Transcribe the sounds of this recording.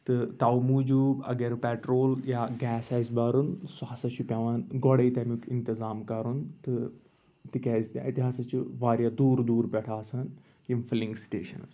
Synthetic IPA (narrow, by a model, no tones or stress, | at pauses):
t̪ɨt̪ɐwmud͡ʒuːɡɐ̰ɡɐɾpɛʈɾoːljaːɡɛːsɐzbɐːɾunsaːsɐt͡ʃʰupʲaʋaːnɡɔɽɐit̪ɐmukint̪izaːmkɐɾunt̪ɨ | t̪ikʲɛːzt̪ːit̪iɦaːsɐt͡ʃʰuʋaːɾjad̪uːɾd̪uːɾpʲɛʈʰaːsɐn | jimfʰiliŋɡsʈḛːʃɐnz